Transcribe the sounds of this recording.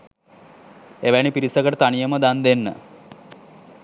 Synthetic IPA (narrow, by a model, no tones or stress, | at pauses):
eʋænipiɾisəkəʈət̪anijəməd̪and̪enːə̰